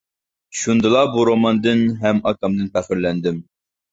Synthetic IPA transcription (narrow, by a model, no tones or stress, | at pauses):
ʃund̪ɨlˠɑbuɾomɑnd̪ɨnɦɛmɑkɑmd̪ɨnpʰæχɪɾlɛnd̪ɪm